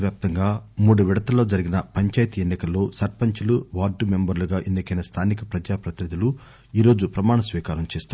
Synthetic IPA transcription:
ʋjaːp̚t̪ɐŋɡaːmuːɽuʋiɽɐt̪ɐlːo̞ːd͡ʒɐɾiɡinɐpɐɲt͡ʃaːjt̪ienːikɐlːo̞ːsɐɾpɐɲt͡ʃuluʋaːɾɖːumembɐɾluɡaːʔend̪ɐkɐjnɐst̪ʰaːnikɐpɾɐd͡ʒaːpɾɐt̪inid̪ʱilu | iːɾo̞ːd͡ʒupɾɐmaːɳɐsʋiːkaːɾɐmt͡ʃeːst̪a

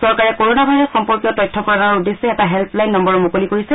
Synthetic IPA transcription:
sɔɹkaɹɛkoɹonabʱajɹɔtxɔmpɔɹkijɔtɔjtʰːɔkɔɹanaudesɛɛtaɦɛlplajnːɔmbɔɹɔmokolikoɹisɛ

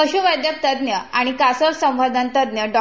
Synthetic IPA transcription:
əɕuʋəd̪ʱjək̚t̪əd̪njəaɽ̃ikasəɾsə̃mʋad̪ʱənt̪əd̪njəɖɔ

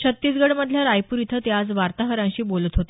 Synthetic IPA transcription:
ɕʰət̪ːiːt͡sɡəɽməd̪ʱljaɾajpuɾit̪ʰət̪jad͡zʋaɾt̪aɦəɾãɕiːbolət̪ɦot̪e

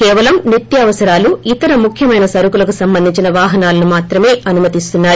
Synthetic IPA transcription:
kɛːʋɐlɐmniɾt̪jɐːʋɐsɐɾaːluit̪ɐɾɐmukʰjɐmɐjnɐsɐɾukulɐkusɐmbɐnd̪ʱiɲt͡ʃinɐʋaːɦɐnaːlɐnumaːt̪ɾɐme̞ːʔɐnumɐt̪ist̪unːaːɾu

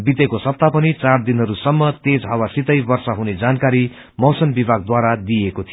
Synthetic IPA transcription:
bit̪ekosʌp̚t̪apʌnit͡sard̪inɦʌɾusʌmːʌt̪ed͡zʱɦʌwasit̪ʌjbʌrsʌɦuned͡zankaɾi | mʌwsʌnbibʱaɡ̚d̪waɾad̪ijekot̪ʰijo

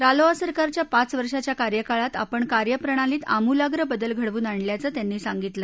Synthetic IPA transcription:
ɾaloasəɾkaɾt͡ɕjapat͡sʋəɾʂat͡ɕjakaɾjəkaɭat̪a̰pəɳkaɾjəpɾəɳ̃aliːt̪amulaɡɾəbəd̪əlɡʱəɽʋuːnaɳljat͡səːt̪janːiːsaŋɡit̪lə

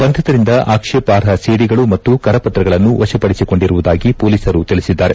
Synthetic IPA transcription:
bɐnt̪ʰɐt̪ɐɾind̪ɐʔaːkʂeːpaːɾɦɐseːɽiɡɐɭumɐt̪ːukɐɾɐpɐt̪ɾɐɡɐɭɐnːuʋɐʃɐpɐɽisiko̞ɳɖiɾuʋud̪aːɡipoːliːsɐɾut̪iɭisid̪ːaːɾe̞

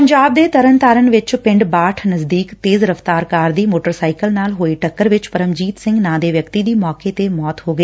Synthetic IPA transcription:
pəɲd͡ʒaːb̚d̪eːt̪əɾənt̪aːɾənʋɪt͡ʃpɪ̃ɳɖbaːʈʰnəzd̪iːkt̪eːzɾəft̪aːɾkaːɾd̪iːmoːʈəɾsaːɪkəlnaːlɦoːeːʈəkːəɾʋɪt͡ʃpəɾəmd͡ʒiːt̪sɪ̃ŋɡnãːd̪eːʋjəkt̪iːd̪iːmɔːkeːt̪eːmɔːt̪hoːɡəeː

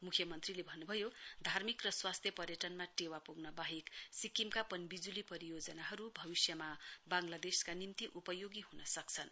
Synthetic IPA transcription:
mukʰjʌmʌnt̪rilebʱʌnːubʱʌjod̪ʱarmikrʌswast̪ʰjʌpʌrjʌʈʌnmaʈewapuɡnʌbaɦiksikimkapʌnbid͡zulipʌɾijod͡zʌnaɦʌɾubʱʌbisjʌmabaŋlad̪eskanimt̪iʔupʌjoɡiɦunʌsʌkt͡sʰʌn

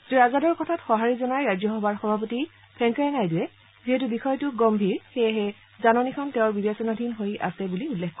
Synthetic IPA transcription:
zuazadɔɹkɔtʰatxɔɦaɹizɔnajɹajzɔxɔbaɹxɔbʱapɔti | pʰɛŋkɛɛnajdujɛ | ziɦɛtubixɔjtʊɡɔmbʱiɹxeɦɛ | zanɔnikʰɔnteʊ̃ɹbibesɔnadʱinɦojʔa̰sɛbuliulːɛkʰkɔ

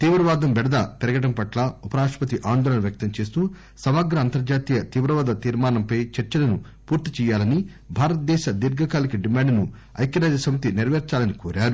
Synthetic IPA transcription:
t̪iːʋɾɐʋaːd̪ɐmbɛɽɐd̪ɐp̪ɛɾɐɡɐʈɐmpɐʈlaːupɐɾaːʂpɐt̪iʔaːnd̪ɔːlɐnɐʋjɐk̚t̪ɐmt͡ʃe̞ːst̪uː | sɐʋaːɡɾɐːnt̪ɐɾd͡ʒaːt̪iːjɐt̪iːʋɾɐʋɐːd̪ɐt̪iːɾmaːnɐmpɐjt͡ʃɐɾt͡ʃɐlɐnu | puːɾt̪it͡ʃɛːjːaːlɐni | bʱaːɾɐt̪̚d̪ɛːʃɐd̪iɾɡʱɐkaːlɐkiɖimaːɳɖnu | ɐ̰jkjɐɾaːd͡ʒ̪ɐsɐmɐt̪iniɾʋɛːɾt͡ʃaːlɐnikoːɾaːɾu

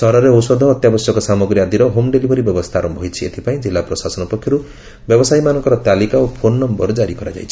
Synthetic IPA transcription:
sɔɾɔɾeɔsɔd̪ʱɔːt̪jabɔsjɔkɔsamɔɡɾiad̪iɾɔɦomɖelibʱɔɾibjɔbɔst̪ʰaɾɔmbʱɔjt͡ʃʰiet̪ʰipaĩd͡ʒilːapɾɔsasɔnɔpɔkʰːjɔɾu | bjɔbɔsaimanɔŋkɔɾɔt̪alikaopʰonːɔmbɔɾd͡ʒaɾikɔɾa̰d͡ʒa̰jt͡ʃʰi̥

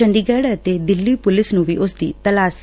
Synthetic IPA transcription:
əɳɖiːɡɛːɽt̪ed̪ɪlːiːpʊlɪsnũːʋiːʔʊsd̪ḭːt̪əlaːs

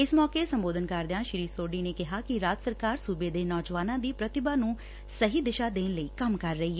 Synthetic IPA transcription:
ɪsmɔːkeːsəmboːd̪ənkəɾd̪ejãːʃɪɾiːsoːɖiːneːkɪɦaːkɪɾaːd͡ʒ̪səɾkaːɾsuːbeːd̪eːnɔːd͡ʒʋaːnãːd̪iːpɾət̪ɪbaːnũː | səɦiːd̪ɪʃaːd̪eːnləiːkəmkəɾːəɦiːɦɛ

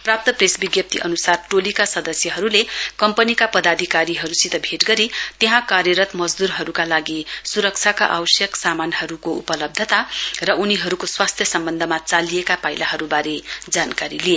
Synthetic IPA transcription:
prap̚t̪ʌpresbiɡjʌp̚t̪ʰiʔʌnusarʈolikasʌd̪ʌsjʌɦʌɾulekʌmpʌnikapʌd̪ad̪ʱikaɾiɦʌɾusit̪ʌbʱeʈɡʌɾit̪eɦãkarjʌɾʌt̪mʌd͡zd̪uɾɦʌɾukalaɡisuɾʌk̚t͡sʰakaʔawʌsjʌksamanhʌɾukoupʌlʌb̚d̪ʱʌt̪arʌʔuniɦʌɾukoswast̪ʰjʌsʌmbʌnd̪ʱʌmat͡saliekapajlaɦʌɾubaɾed͡zankaɾilie

